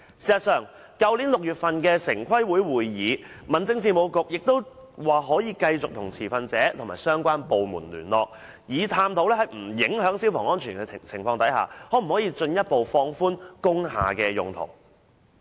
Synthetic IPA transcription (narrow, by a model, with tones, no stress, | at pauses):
siː˨˩sɐ˨t̚sœː˨˩ŋ | kɐ˧wli˨˥nlʊ˨k̚jyː˨˩t̚fɐ˨nkɛː˧sɪ˨˩ŋkʷʰɐ˥jwuː˨˥jwuː˨jjiː˨˧mɐ˨˩nt͡sɪ˧ŋsiː˧mo˨˧wkʊ˨k̚jɪ˨k̚t̪o˥wwaː˨˩ɦɔː˨˥jiː˨˧kɐ˧jt͡sʊ˨k̚t̪ʰʊ˨˩ŋt͡sʰiː˨˩fɐ˨˧nt͡sɛː˨˥t̪ʰmaː˨˩sœː˥ŋkʷaː˥npo˨wmṵː˨˩nlyː˨˩nlɔ̰ː˨k̚ | jiː˨˧t̪ʰaː˧mt̪ʰo˨˥wlɛ˥hɐ˨jm̩˨˩jɪ˨˥ŋhœː˨˥ŋsiː˥wfɔː˨ŋɔː˥nt͡ʃʰyː˨˩nkɛ˧t͡sʰɪ˨˩ŋfɔː˧ŋt̪ɐ˨˥jha̰ː˨hɔ˨˥m̩˨˩hɔː˨˥jiː˨˧t͡ʃɵ˧njɐ˥t̚po˨wfɔː˧ŋfuː˥nkʊ˥ŋɦa̰ː˨kɛː˧jʊ˨ŋt̪ʰo̰˨˩w